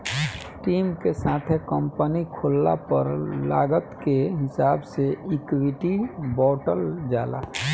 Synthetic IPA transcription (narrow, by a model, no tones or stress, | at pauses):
ʈiːmkesaːt̪ʰekə̃mpənikʰoːlːa̰pəɾla̰ːɡət̪keɦɪsaːbseɪkwiʈibɔːʈəld͡ʒa̰ːla̰ː